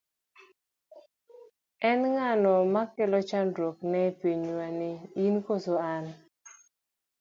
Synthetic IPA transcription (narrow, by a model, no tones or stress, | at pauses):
ɛnŋanɔmakɪlɔt͡ʃandwoknɛpiɲwanɪinkosoan